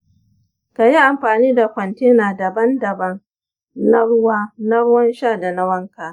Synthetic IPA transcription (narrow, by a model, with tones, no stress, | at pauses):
ka˨ji˦ʔa˨mɸaː˨niː˦da˨kʷɔ˨nteː˦naː˨dɐ˨bɐ˦ndɐ˨bɐ˦ŋ | na˦ɽʊ˦waː˦na˦ɽʊ˦wɐ˦nʃaː˦˨da˨na˦wɐ˦ŋka˨